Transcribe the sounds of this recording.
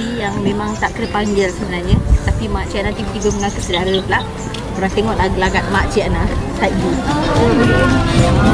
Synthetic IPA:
ijaŋmẽmaŋt̪aʔkəɾəpaɲd͡ʒɛlsəbənarɲət̪apimaʔt͡ʃianat̪ibət̪ibəməŋakəsədaɾəpla | kəɾaŋt̪eŋɔʔlaɡlaɡat̪̚maʔt͡ʃianasajt̪̚buo

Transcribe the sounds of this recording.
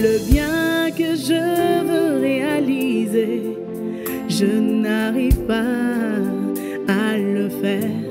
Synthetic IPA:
ləbjɛ̃kəʒəvəʁealize | ʒənaʁivpa | aləfɛʁ

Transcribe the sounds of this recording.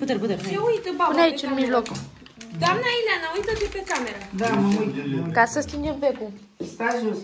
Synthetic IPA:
put̪əɾput̪əɾeujt̪bauneait͡ʃɨnnmiʒlok | d̪oamnailʲanaujt̪ət̪epekameɾad̪aujt̪kasəst̪inenveku | saʒu

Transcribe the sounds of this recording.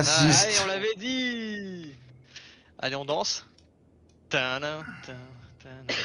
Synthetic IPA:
saiseɔ̃lavɛd̪i | a̰leɔ̃d̪ɑ̃s | t̪ãnãt̪ə̃t̪ã

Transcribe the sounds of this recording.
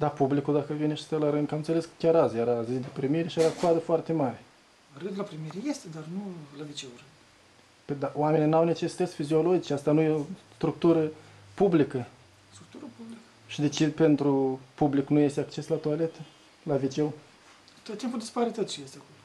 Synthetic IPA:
d̪apublikud̪akəvineʃi̥st̪alaɾɨnd̪kamɨnseleskə̥kʲaɾazjeɾazid̪epɾimiɾeʃijeɾakoad̪əfoart̪e̞maɾe | rɨnd̪ulapɾimiɾʲejest̪ed̪arnulavit͡ʃeurɨd̪ | ped̪aoame̞ninawne̞t͡ʃesi̥t̪ət̪sʲfizio̞lo̞d͡ʒit͡ʃeast̪anujeost̪ɾuk̚t̪uɾə | publikə | st̪ɾuk̚t̪uɾəpublikə̥ | ʃid̪e̞t͡ʃid̪pe̞nt̪ɾupubliknuje̞st̪eakt͡ʃe̞slat̪oale̞t̪ə | lavit͡ʃe̞wu | t̪ot̪t̪impud̪ispaɾit̪ət̪t͡ʃijest̪eakolo

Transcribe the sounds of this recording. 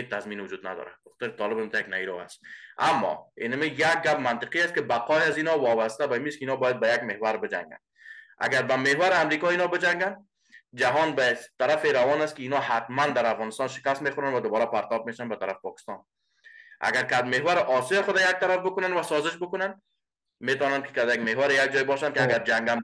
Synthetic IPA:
het͡ʃt̪azminʊd͡ʒud̪na̰d̪ɔ̰ɾa̰b̥ɪxɔ̥t̪ɪɾɪt̪ɔlɪbɪmt̪ajaknajɾɔa̰st̪amːɒ̰ḭnamijaɡ̚ɡap̚mant̪ɪqiast̪kɪbaqɔjazinɒwɒbast̪abamiskɪinɔbɔjad̪̚bajaɡ̚mehwaɾbɪd͡ʒa̰ŋɡa̰n | a̰ɡaɾbamehwaɾɪamɾikɒinɒbɪd͡ʒaŋɡan | d͡ʒaɦɔnbat̪aɾafeɾawɒnast̪kɪinɔhat̪mand̪aɾafɣɔnɪst̪ɒnʃɪ̥kast̪mexʊɾanwad̪ʊbɔɾapaɾt̪ɔb̚meʃanbat̪aɾafpɒkɪ̥st̪ɔ̰n | a̰ɡaɾkad̪mehwaɾɪʔɔsjɒxʊd̪ajak̚t̪aɾafbʊkʊnanwasɔzɪʃbʊkʊnan | met̪ɔnankɪ̥kad̪jaɡmehwaɾɪjaɡ̚d͡ʒɔjbɔʃankɪaɡaɾd͡ʒaŋɡam

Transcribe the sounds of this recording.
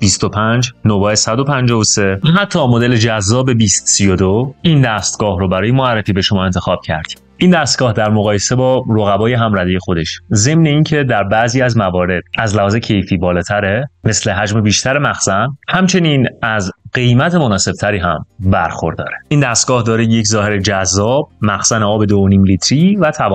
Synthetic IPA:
b̥ist̪opʰænd͡ʒnobɒːesæd̪opʰænd͡ʒɒːvose̞æɦæt̪ʰːɒːmod̪e̞le̞d͡ʒæzːɒːbe̞biːst̪sijod̪oind̪æst̪̚ɡ̥ɒːhɾobæɾɒːje̞moærːefiːbe̞ʃo̞mɒːe̞nt̪ʰe̞xɒːb̥̚cʰæ̰ɾd̪̥i̥ | ʔiːnd̪æst̪̚ɡɒːhd̪æɾmoɣɒːje̞se̞bɒːɾoɣæbɒːje̞ɦæmræd̪ijexod̪e̞ʃze̞mne̞iːncʰe̞d̪æɾbæʔziːæzmævɒːɾe̞d̪̥̚æzlæhɒːzecʰe̞jfiːbɒːlɒːt̪ʰæɾeme̞sle̞ɦæd͡ʒme̞biːʃt̪ʰæɾe̞mæxsænhæmt͡ʃʰe̞niːnæzɢe̞jmæt̪ʰe̞mo̞nɒːse̞b̥̚t̪ʰæɾiːɦæmbæɾxo̞̰ɾd̪ɒ̰ːɾe̥ʔiːnd̪æst̪̚ɡ̥ɒːhd̪ɒːɾejeczɒːhe̞ɾed͡ʒæzːɒːb̚mæxsæneɒːbe̞d̪ooniːmlit̪ʰɾiːvæt̪ʰævɒː

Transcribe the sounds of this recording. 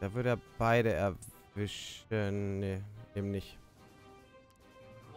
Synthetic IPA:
d̥aːvʏɐɾəaːb̥aɪɾəɛɐvɪʃənːeʔeːbm̩nɪçt

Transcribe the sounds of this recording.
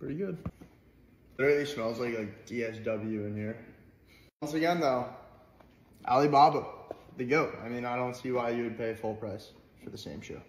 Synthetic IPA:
pʰɹ̥ɪɾiɡʊd̥̚ | ə˞eɪt̚ˡlismɛlˠzlaɪklaɪk̚d̥iɛs̬d̥ʌbl̩ˠjʉɨ̃nhiɹ | ʌ̃nsɨɡɛ̃nðoʊ | ʔæ̰lˠibɑbəðɨɡoʊt̚a̰ɪmĩnaɪɾõʊ̃ntsiwaɪjɨwɨd̚pʰeɪɨfʊlˠpʰɹ̥aɪs | fə˞ðɨsẽɪ̃mʃo̰ʊ

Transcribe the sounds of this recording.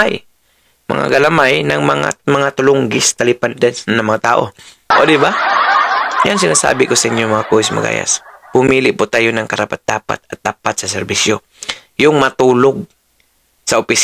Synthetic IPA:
aj | mɐ̰ŋa̰ɡɐlɐmajnɐŋmɐŋa̰mɐŋat̪ʊlʊŋɡɪst̪ɐlɪpand̪ɛnsnnɐŋmɐŋat̪a̰ːʔo̞̰ | ʔod̪ɪba | jaŋsɪnaːsa̰ːbɪkosɐʔɪɲjomɐŋakoɪsmɐ̰ɡa̰ːja̰sb̥ʊmiːlɪʔpʊt̪aːjonɐŋkɐɾapat̪̚d̪aːpa̰t̪̚ɐt̪̚ːaːpat̪̚sɐsɛɾbisjo | jʊŋmat̪uːloɡ̚ | sɐʔʊpɪs

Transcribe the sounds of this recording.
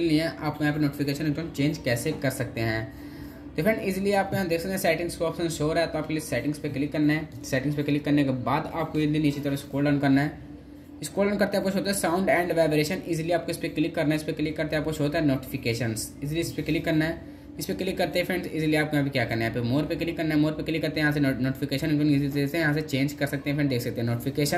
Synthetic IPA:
ɪliẽʔaːpkãːp̬enoːʈɪfɪkeːʃənõnt͡ʃẽːnd͡ʒkɛːsekɐɾsɐk̚t̪eɦɛ̃ː | t̪ofʰɾɛɳɪzlieaːp̚koãd̪eːksɐkt̪ːsɛːʈɪ̃ŋɡskoɔːpsə̃nsʃoːɾɦɛt̪oaːp̚keliesɛːʈɪ̃ŋɡspeklɪkːɐɾnaɦɛsɛːʈɪ̃ŋɡspeklɪkːɐɾnekebaːd̪aːp̚koɪzɪlieniːt͡ʃet̪ɐɾɪskoːlɖənkɐɾnaɦɛː | ɪskoːlənkɐɾt̪eɛaːpkoʃʰɦoːt̪aɦɛsãːʊ̃ɳɖɛ̃ːɳɖʋaːbɾeːʃənɪzlieaːp̚koɪspeklɪkːɐɾnaɛɪspeklɪkːɐɾt̪eɛaːp̚koʃʰɦoːt̪aɦɛnoːʈɪ̥fɪkeːʃənsɪs̬liespeklikːɐɾnaɦɛː | ɪspekɪlikːɐɾt̪eɦɛpʰɛ̃ɳsɪslijeaːp̚kõbʱikjaːkɐɾnaɦɛpʰɪɾmoːɾpeklikːɐɾnaɦɛmoːɾpekɪlɪkːɐɾt̪ẽɦɛjɐɦãs̬enoːʈɪfɪkeːʃənnizlisesejɐɦãset͡ʃẽːnd͡ʒkɐɾsɐk̚t̪ẽɦɛpʰɛ̃ɳd̪eːkʰsɐk̚t̪ẽɦɛ̃noːʈɪfɪkeːʃən

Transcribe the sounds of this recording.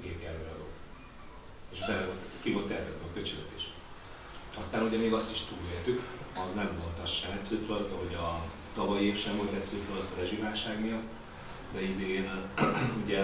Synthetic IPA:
ɡeːɡɛɾøːɾɒd̪o̰ː | eːʃot̪ɛvolt̪kivo̞lt̪ːɛːt̪ɛzɛɒkøt͡ʃyløt̪iʃ | ɒst̪aːnuɟɛmeːɡɒst̪i̥ʃt̪uːleːɾt̪ykɒznɛɱvo̞lt̪ɒʃɛmɛt̪søt̪loɾt̪ɒɦo̞ɟɒ | t̪ɒvɒjieːfʃɛɱvo̞lt̪ɛt̪søːt̪lot̪ːɒɾɛʒivaːlʃaːɡnijɒt̪ː | d̪ɛid̪iɡeːnuɟɛ

